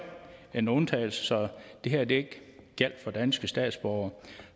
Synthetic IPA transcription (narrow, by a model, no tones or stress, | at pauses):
enont͡sʰɛ̰ɪl̩səsɒ̽d̥e̝ɦæɐ̰d̥ee̝ɡ̥ɡ̥ʰæl̰d̥fɒ̽d̥ænsɡ̥əsd̥ɛ̰ːd̥sb̥ɒʊɐ